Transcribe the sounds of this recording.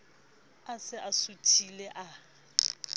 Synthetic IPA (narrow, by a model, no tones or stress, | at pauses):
asɪʔasutʰilɛʔa